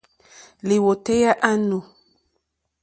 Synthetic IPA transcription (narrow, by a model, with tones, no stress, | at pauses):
li˨wo˨tɛ˦ja˦ʔa˦nu˨